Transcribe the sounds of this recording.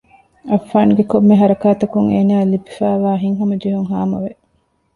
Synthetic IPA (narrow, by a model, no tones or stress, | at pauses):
ɐfːaːnɡekomːeɦɐɾɐkaːt̪ɐkuŋeːnaːlibifæːʋaːɦiŋɦɐmɐd͡ʒeɦuŋɦaːmɐʋe